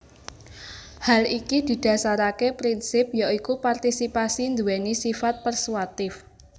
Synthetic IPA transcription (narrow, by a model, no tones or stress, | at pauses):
halikid̪̥i̤d̪̥a̤saɾakepɾinsɪp̚jaikupart̪isipasind̪uwɛnisifat̪̚pərsuwat̪ɪf